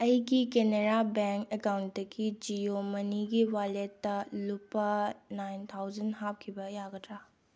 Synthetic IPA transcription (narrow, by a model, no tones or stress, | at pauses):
ɐjɡikeneɾabeŋkekawndɐɡid͡ʒijomɐniɡiwaletːɐlupːɐnajnt̪ʰawd͡ʒɐnɦap̚kʰibɐjaɡɐtɾa